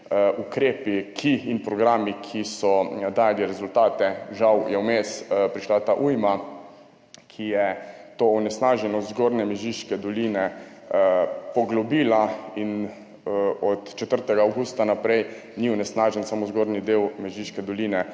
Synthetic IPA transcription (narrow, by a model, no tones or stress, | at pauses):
ʔukɾeːpikʰiːnpɾɔɡɾaːmikʰisɔd̪aːjaliɾɛzult̪aːt̪ɛʒawjɛwmespɾiʃlat̪aʔujma | kʰijɛt̪oːɔnɛsnaʒɛnɔzɡoɾnɛmɛʒiʃkɛd̪ɔlinɛ | pɔɡlɔbiːlain | ɔt̪t͡ʃɛt̪əɾt̪ɛɡaːwɡust̪anapɾɛj | niɔnɛsnaːʒɛnsamozɡoːɾnid̪eːwmɛʒiʃkɛd̪ɔliːnɛ